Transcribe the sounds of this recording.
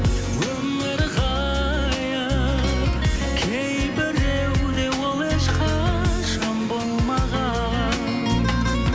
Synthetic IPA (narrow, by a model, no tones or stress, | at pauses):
wɵm | ɪɾʁɑ | jə | kʲʰej | bɪɾewd̪e̞wolˠeʃqɑʃəmbolˠmɑʁɑ | n